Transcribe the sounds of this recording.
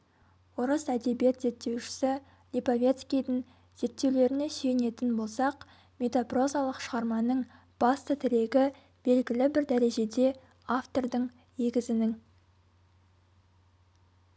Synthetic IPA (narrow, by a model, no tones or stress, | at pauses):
woɾəsæd̪e̞bije̞t̪ze̞t̪ːe̞wʃɪ̥sɪ | lʲipovʲe̞t̪skʲijd̪ɪŋ | z̥e̞t̪ːe̞wle̞ɾɪne̞se̞jne̞t̪ɪnbo̞lˠsɑq | mʲe̞t̪opro̞zalˠəqʃəʁɑɾmɑnəɴ | b̥ɑst̪ət̪ʰɪɾe̞ɡʲɪ | b̥e̞lɡʲɪlɪbɪɾd̪æɾe̞ʒe̞d̪e̞ | aft̪o̞rd̪əɴ | ne̞ɡʲɪzɪnɪŋ